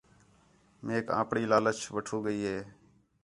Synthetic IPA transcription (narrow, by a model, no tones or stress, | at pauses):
meːkã̰ːpɽiːlaːlət͡ʃʰʋəʈʰuːɡəiːɦeː